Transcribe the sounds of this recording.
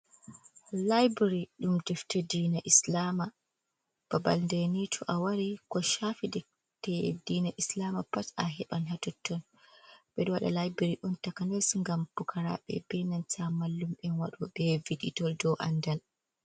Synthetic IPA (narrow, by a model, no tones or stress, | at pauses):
lajbɾiɗumdɛftɛdinaʔislama | b̥aba̰lndenitʰɔʔawaɾikɔʃafidɛ | tɛdiːnaʔislamapata̰ɦɛɓanɦatɔtːɔn | ɓɛɗɔwaɗa̰lajbiɾiɗɔntakanasŋɡampukʰaɾa̰ɓɛ̰bɛnansamalːumɓɛnwaɗɔɓɛviɗitɔldɔʔa̰ndal